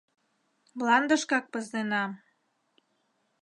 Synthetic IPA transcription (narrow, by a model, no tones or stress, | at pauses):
mlˠɑnd̪əʃkɑk̚pə̆zd̪enɑm